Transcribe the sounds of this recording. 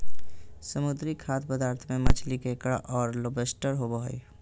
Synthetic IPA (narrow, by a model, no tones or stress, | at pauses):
səmud̪ɾikʰaːt̪̚pəd̪aːɾt̪ʰmẽmət͡ʃʰlikekɽa̰ʔɔːɾlobesʈəɾɦobəɦoi